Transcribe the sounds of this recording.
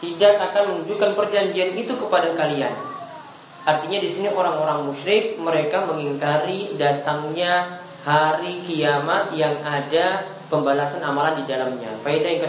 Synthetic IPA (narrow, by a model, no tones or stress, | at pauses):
t̪idakakanmənud͡ʒukanpərd͡ʒaɲd͡ʒianit̪ukəpadakalia̰n | ʔart̪iɲadisiniʔoɾaŋoɾaŋmuʃɾɪk̚məɾekaməŋiŋkaɾidat̪aŋɲa | haɾikiamat̪̚jaŋada | pəmbalasanamalandidalamɲa̰painajaŋkə